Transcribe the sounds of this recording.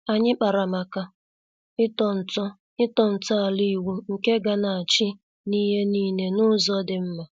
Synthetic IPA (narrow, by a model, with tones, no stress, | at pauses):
a˨ɲɪ˦k͡pa˨ɾa˨ma˨ka˦ | ɪ˦tɔ˨n̩˨tɔ˦ | ɪ˦tɔ˨n̩˨tɔ˦a˨li˦˨wu˦ŋ̩˨ke˦ɡa˦na˨a˨t͡ʃi˦ | ni˦ɦe˦niː˦ne˨nʊ˦zɔ˦dɪ˨m̩˦ma˨